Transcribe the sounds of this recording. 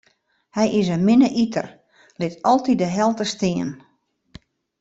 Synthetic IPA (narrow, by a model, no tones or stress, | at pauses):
hɛjʔɪsənmɪnəʔitʰər | lɪtɔlˠtidəɦɛlˠtəstɪən